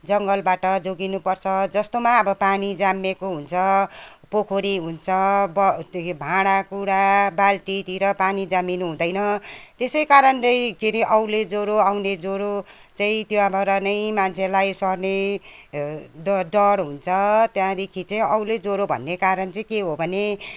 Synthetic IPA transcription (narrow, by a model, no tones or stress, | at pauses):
d͡zʌŋɡʌlbaʈʌd͡zoɡinupʌrt͡sʰʌd͡zʌst̪omaʌbʌpanid͡zamːekoɦunt͡sʰʌ | pokʰoɾiɦunt͡sʰʌbʌbʱãɽ̃akuɽabalʈit̪iɾʌpanid͡zaminuɦũd̪ʌjnʌt̪esʌjkaɾʌnt͡sʌĩkeɾiʔʌwled͡zoɾoawned͡zoɾo | t͡saĩt̪joabʱʌɾanʌĩmant͡sʰelajsʌrne | ɖʌɾɦunt͡sʰʌt̪jãd̪ekʰit͡saĩʌwled͡zoɾobʱʌ̰nːekaɾʌnt͡sʌĩkeɦobʱʌne